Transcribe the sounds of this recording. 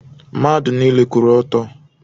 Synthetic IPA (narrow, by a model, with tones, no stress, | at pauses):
ma˦dʊ˨ni˦le˦ku˨ɾɔ˦tɔ˦